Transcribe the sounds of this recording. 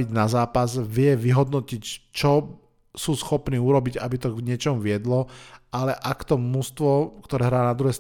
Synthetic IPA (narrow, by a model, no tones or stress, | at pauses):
iɟnazaːpazʋɪɛʋiɦɔd̪nɔcict͡ʃɔ | suːsxɔpniːuɾɔbiɟabit̪ɔɡɲɪɛt͡ʃɔmʋɪɛd̪lɔalɛʔakt̪ɔmust̪ʋɔkt̪ɔɾɛːɦɾaːnad̪ɾuɦɛːst̪